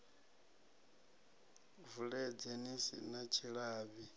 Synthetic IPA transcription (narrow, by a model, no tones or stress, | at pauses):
vuɺɛd͡zenisḭnat͡ʃʰiɺaːβi